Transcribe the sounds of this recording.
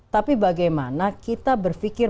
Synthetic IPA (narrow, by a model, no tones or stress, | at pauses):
t̪apibaɡajmanakit̪abərfikɪr